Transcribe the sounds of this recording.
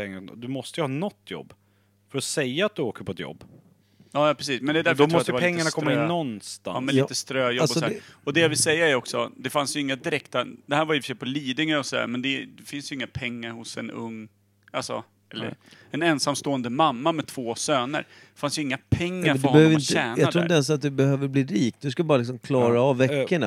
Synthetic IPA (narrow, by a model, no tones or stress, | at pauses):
ɛŋːad̪ɵmɔst̪əjəhɑːnɔt̪ːjɔ̰bː | fœɾɔsɛjːaːt̪̚d̪ɵoːkəɾpʰɔɛt̪jɔ̰bː | jɑːjɑpɾɛs̬iːsmɛnd̪ɛd̪æɾfd̪ɾɔmmɔst̪t̪əɛvapʰɛŋːaɳakkɔmːaɪnːɔnst̪a̰mɛliːt̪əst̪ɾøːjɔbːɔsæɔd̪ɛjavɪlsɛjːaæɾɔksɔd̪ɛfansjɵɪŋːad̪ɪɾɛkt̪ad̪ɛhæːɾvaɾjɪːfə̥ʂ̬ɛjpʰɔliːd̪ɪŋaɾɔsɔd̪æ̰ɾmɛnd̪ɛd̪ɛfɪnsjʏɪŋːapʰɛŋːaɾhʊsɛ̰nɵ̰ŋː | alsɔ̰ | ɛlːə̰ɾ | ɛnɛnsamst̪oːənd̪əmamːamɛt̪ʰv̥oːsøːnə̰ɾ | fansjəɵɪŋːapʰɛŋːaɾfd̪ɔɾhɔbɛh̪øːɾɪntæːnjɑk̪ad̪ʰuːnɛɛns̬at̪̚d̪ɵbɛhøːvəɾbliːɾiːkd̪ɵskabɑːɾalɪksɔmkʰlɑːɾavːɛːəɳa̰